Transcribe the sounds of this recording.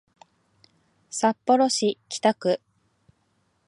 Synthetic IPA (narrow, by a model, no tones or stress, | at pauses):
sapːo̞ɾo̞ɕikʲi̥t̪akɯ̟